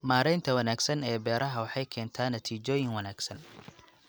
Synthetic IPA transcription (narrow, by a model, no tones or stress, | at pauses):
maːɾɛjnt̪ʰɐwɐnaːɡsɐnɛːbɛːɾʔɐɦɐwɑħɑjkʰɛːnt̪ʰaːnːɐt̪ʰiːt͡ʃɔːjɪŋwɐnaːɡsɐn